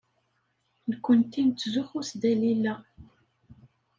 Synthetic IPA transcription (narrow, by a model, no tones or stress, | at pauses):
nkʷːənt̪ːint̪ːzuxusd̪ælilːæ